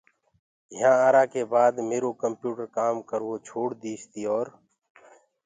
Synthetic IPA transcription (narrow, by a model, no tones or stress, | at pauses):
ɪɦãːaːɾaːkeːbaːd̪meːɾoːkəmpjuːʈəɾkaːmkəɾoːt͡ʃʰoːɽd̪iːst̪iːɔːɾ